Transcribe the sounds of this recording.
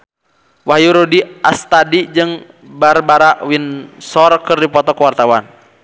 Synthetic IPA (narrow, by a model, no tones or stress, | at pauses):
wahjuɾudiast̪adid͡ʒɨŋ | barbaɾaʔwinsɔrkɨrdipɔt̪ɔkwart̪awan